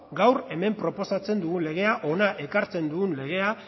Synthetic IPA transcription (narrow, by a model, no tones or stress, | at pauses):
ɡawre̞me̞mpɾo̞po̞sat͡se̞nd̪uɣule̞ɣ̞e̞aʔo̞naʔe̞kaɾt͡se̞nd̪uɣunle̞ɣ̞e̞a